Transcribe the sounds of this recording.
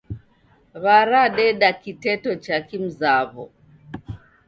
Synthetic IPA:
βaɾaɗɛɗakitɛtɔt͡ʃakim̩zaβɔ̰

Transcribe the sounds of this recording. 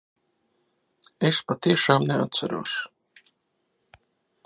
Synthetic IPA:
espat̪iɛʃaːmnɛa̰t̪t̪saɾṵɔs

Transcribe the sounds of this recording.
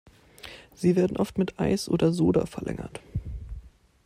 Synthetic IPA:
z̥iːveːɐdn̩ʔɔftmɪtʔaɪsʔo̰ːdɐzoːdɐ̰fɛɐlʔɛ̰ŋɐ̰t

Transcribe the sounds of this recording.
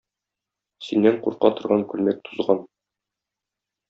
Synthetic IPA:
sinːæɴquɾqɑt̪ŏɾʁɑŋkʉlmæk̚t̪ʰu̥zʁɑn

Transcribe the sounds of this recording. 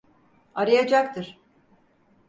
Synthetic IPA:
aɾajad͡ʒak̚t̪ʰɯɾ̥

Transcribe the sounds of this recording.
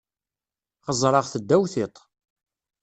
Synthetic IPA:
χəzˤɾˤɑʁθəd̪ːæwθɪt̪ˤ

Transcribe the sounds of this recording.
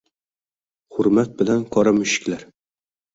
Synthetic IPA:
hʊɾmat̪̚bɪlankʰɒɾamʊʃɪ̥kʲlaɾ

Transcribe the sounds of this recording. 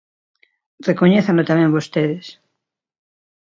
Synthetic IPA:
rekoɲeθanot̪amẽmbost̪eðes

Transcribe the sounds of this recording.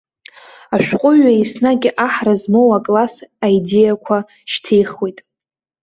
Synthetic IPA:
aʃᶣqʷʼʊɥaisnaɡʲɪʔaħrazmowakʼlasaide̞jakʷʰa | ʃtʰejχwejtʼ

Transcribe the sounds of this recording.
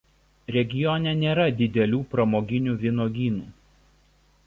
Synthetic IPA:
ɾʲɛɡʲɪjɔnʲɛnʲeːɾɐd̪ʲɪd̪ʲɛlʲuːpɾɐmoːɡʲɪnʲuːʋʲɪnoːɡʲiːnuː

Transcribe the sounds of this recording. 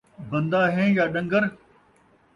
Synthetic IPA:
bɐ̃nd̪aːɦẽːjaːɗɐ̃ŋɡəɾ

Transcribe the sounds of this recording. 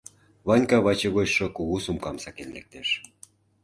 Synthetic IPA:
βɑnʲkɑβɑt͡ɕeɣot͡ɕʃŏkuɣusumkɑmsɑkenlek̚t̪eʃ

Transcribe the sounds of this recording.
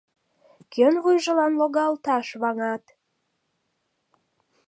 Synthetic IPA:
kʰønβujʒə̆lɑnloɣɑlt̪ɑʃβɑŋɑt̪

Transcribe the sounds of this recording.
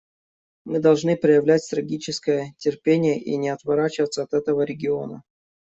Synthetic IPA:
mɨd̪ɐlˠʐnɨpɾəjɪvlʲætʲt̪ɾɐɡʲit͡ɕɪskəjətʲɪrpʲenʲɪjəʔḭnʲɪɐt̪vɐɾat͡ɕɪvət̪sːəɐt̪ɛt̪əvəɾʲɪɡʲɪo̞̰nə̰

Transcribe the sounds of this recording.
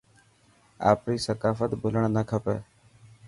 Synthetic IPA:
a̰ːpɾiːsəkaːfət̪bʱʊləɳnəkʰəpḛː

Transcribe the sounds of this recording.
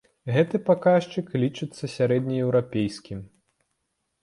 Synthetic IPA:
ɣɛt̪ɨpakaʂt͡ʂɨklʲit͡ʂɨt̪sːɐsʲaɾɛd̪ʲnʲɐjɛwɾapʲejsʲkʲim

